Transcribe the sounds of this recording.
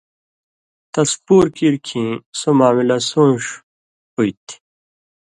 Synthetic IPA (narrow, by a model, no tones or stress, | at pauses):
t̪ɐspuːɾkiɾkʰĩːsomaːmilɐsũːʂ | uit̪ʰi̥